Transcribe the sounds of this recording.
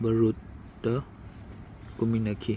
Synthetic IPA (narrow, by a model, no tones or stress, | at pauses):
bəɾut̚ | də | kuminəkʰi